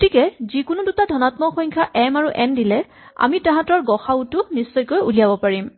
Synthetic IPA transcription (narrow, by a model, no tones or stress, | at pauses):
ɡotʰikɛzikʊnʊdutadʱɔnatmɔxɔjɲkʰaʔɛmaɹuʔɛndilɛ | a̰mitãɦãtɔɹɡɔxautʊnisːɔjkojuliabɔpaɹim